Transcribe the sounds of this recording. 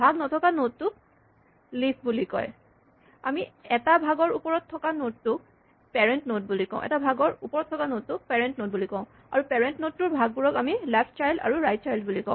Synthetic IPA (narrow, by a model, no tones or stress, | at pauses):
bʱaɡnɔtʰɔkanottːʊ | lisbulikɔ̰j | a̰miɛtabʱaɡɔɹupɔɹɔtʰːɔkanod̚tʊ | pɛɹɛntnot̚bulikɔ̰̃ʊ̃ʔɛ̰tabʱaɡɔɹupɔɹɔtʰːɔkanottʊpɛɹɛntnot̚bulikɔ̃ʊ̃ | a̰ɹupɛɹɛntnot̚tːʊɹbʱaɡ̚buɹɔkamilapʰt͡ʃajlda̰ɹuɹajt̚t͡ʃajldbulikɔ̰̃